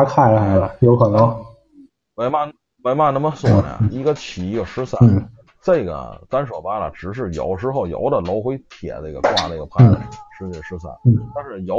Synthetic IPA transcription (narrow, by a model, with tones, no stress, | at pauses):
a˥kʰa˥˩nə˨xa˧˥ɪlə˧jo˧˥ʊxə˨˩nd̪ɔ˥ | me˧˥ɪma˥˩ | me˧˥ɪma˥˩nə˧˥nmə˧sɔ˥˩n̰˨a̰˧˩i˧˥ɡə˧t͡ɕʰi˨˩i˧˥ɡə˧ʂɻ̩˥sa˥˩˥ | ʈ͡ʂe˥˩ɪɡə̰˩t̪a˥nʂwɔ˨˩pa˥lə̰˨ʈ͡ʂɻ̩˨˩ʂ̬ɻ̩˥˩jɑ̰˧˥ʊʂɻ̩˥xo˥˩ʊjɑ̰˧˥ʊd̪ə˨lo˧˥ʊxwe˥ɪt̪ʰjɛ̰˨˩nə˥˧˩ɡə̰˩kwa˥˧ne˧˩ɡə˩pʰa˥˩˥ʂɻ̩˥i˥˩ə˨˩ʂɻ̩˥sa̰˥˩ɪn̩˥˩t̪a˥˧nʂɻ̩˥˩jɑ˧˥